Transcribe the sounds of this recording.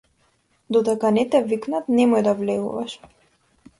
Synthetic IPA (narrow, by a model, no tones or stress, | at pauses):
d̪ɔd̪ɛkanɛt̪ɛviknat̪nɛmɔjd̪avlɛɡṵvaʃ